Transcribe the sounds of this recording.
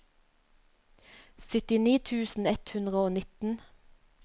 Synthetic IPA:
sʏt̪ɪniːt̪ʰʉːsn̩ɛt̪hʉnd̪ʁəoːnɪt̪n̩

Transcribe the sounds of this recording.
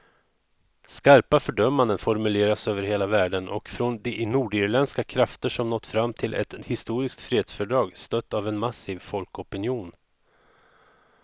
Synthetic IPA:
skaɾpafœɖœmːand̪ənfɔɾmɵleːɾasøːvəɾheːlavæːɖənʔɔ̰kfɾɔnd̪ɛʔnuːɖɪɾlɛnskakʰɾaft̪əʂɔmnɔt̪ːfɾamːt̪ʰɪlʔɛ̰t̪hɪst̪uːɾɪskt̪fɾeːd̪sfœɖɾɑːɡst̪œt̪ːavɛnmasiːvfɔlkɔpɪnjuːn

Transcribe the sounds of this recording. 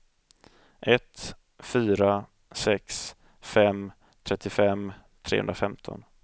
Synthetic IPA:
ʔɛt̪ | fyːɾa | sɛks | fɛm | t̪ʰɾɛt̪ːɪfɛm | t̪ʰɾḛːhɵ̰nd̪ɾafɛmt̪ʰɔ̰n

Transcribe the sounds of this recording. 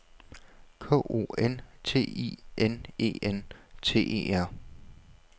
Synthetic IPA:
kʰɔ̰̽ːʔo̝̰ːent͡sʰe̝̰ːḭːʔene̝̰ːent͡sʰe̝̰ːʔe̝̰æɐ̰

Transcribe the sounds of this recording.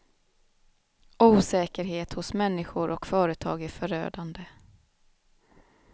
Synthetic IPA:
ʔuːsɛːkəɾɦeːt̪hʊsmɛnːɪɧʊɾʔɔkfœːɾət̪ʰɑ̰ːɡæɾfœɾø̰ːd̪and̪ə

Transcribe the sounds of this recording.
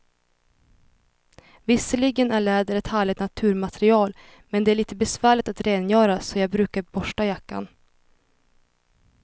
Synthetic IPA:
vɪsəɭɪɡənæɭɛːd̪əɾɛt̪hæːɭɪt̪nat̪ʰʉ̟ːɾmat̪ʰɛɾɪɑːl | mɛnd̪ɛæɭiːt̪əbɛsvæːɭɪt̪at̪ɾeːnjœːɾasɔjɑːɡbɾʉːkaɾbɔʂʈajakːa̰n

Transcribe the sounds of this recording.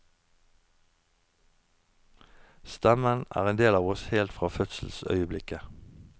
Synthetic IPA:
st̪ɛmənæ̰ːʁeːnd̪eːlɑːʋɔsheːlt̪fʁɑːfœt̪sl̩sœ̰ʏəblɪkə

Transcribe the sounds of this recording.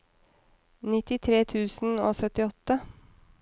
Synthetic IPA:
nɪt̪ɪt̪ʰɾeːt̪ʰʉːsn̩oːsœt̪ɪɔt̪ːə

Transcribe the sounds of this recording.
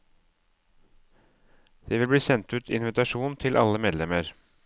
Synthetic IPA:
d̪̥eːʋɪlbɽiːsɛnt̪ʉːt̪ʰɪ̰nʋɪt̪ɑʂuːnt̪ʰɪlʔɑ̰ləmeːd̪lɛməɾ

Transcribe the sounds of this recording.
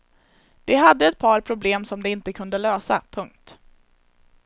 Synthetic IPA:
d̪̥ɛɦad̪ːəɛt̪̚pʰɑːɾpʰɾʊbleːmsɔmd̪ɛɪnt̪əkʰɵnd̪əløːsa̰pʰɵŋk̚t̪

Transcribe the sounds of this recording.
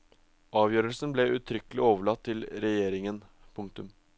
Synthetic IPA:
ɑːʋjøːɾəlsn̩blɛʔʉːt̪ʰɾʏkəlɪoːʋəɭɑt̪ʰːɪlɾɛjeːɾɪŋən | pʰʊŋk̚t̪ʉm

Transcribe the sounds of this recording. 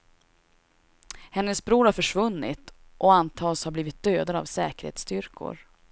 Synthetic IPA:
hɛnːəsbɾuːɾhaɾfœʂvɵnːɪ̰t̪ | ʔɔant̪ʰɑːshaɾbliːvɪt̪̚d̪̥øːd̪ad̪a̰vsɛ̰ːkəɾhḛːt̪st̪ʏɾkʰʊ̰ɾ

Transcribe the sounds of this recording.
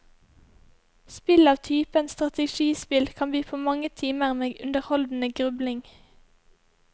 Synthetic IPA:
spɪlɑːʋt̪ʰyːpənst̪ʁɑt̪əʃiːspɪlkʰɑnb̪yːpʰoːmɑŋət̪ʰiːməʁmeːʉnd̪əʁhɔld̪n̩əɡʁʉblɪŋ

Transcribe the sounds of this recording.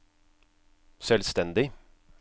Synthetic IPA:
sɛlst̪ɛnd̪ɪ

